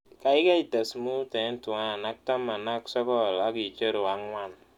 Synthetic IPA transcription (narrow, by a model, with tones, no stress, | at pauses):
ka˨i˦ka˦i˨ta˨smu˦tɛ˨˦n˦tu˨a˦a˨na˦k̚ta˦mːa˨na˦ksɔ˦bɔ˦˨la˦ki˨t͡ʃə˦ɾo˨wa˦ŋwa˦n